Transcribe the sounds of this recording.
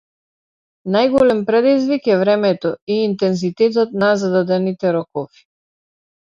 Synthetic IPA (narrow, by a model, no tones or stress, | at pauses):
najɡɔlɛmpɾɛd̪izvikɛvɾɛmɛt̪ɔiːnt̪ɛnzit̪ɛt̪̬ɔt̪̚nazad̪ad̪ɛnit̪ɛɾɔkɔfi̥